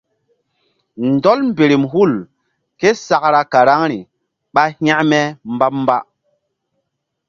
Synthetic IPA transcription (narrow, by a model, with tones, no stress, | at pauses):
ndɔ˦lm˦be˨ɾi˨mhu˦˨l | ke˦sa˨kɾa˦ka˨ɾa˦ŋɾi˨ | ɓa˦hj̃a˦ʔmɛ˦mba˦p̚m˦ba˦